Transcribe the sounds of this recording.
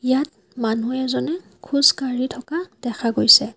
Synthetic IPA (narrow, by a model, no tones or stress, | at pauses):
jat̚ | manuɛzɔnɛ | kʰuzkaɹitʰɔkad̥ɛkʰaɡojsɛ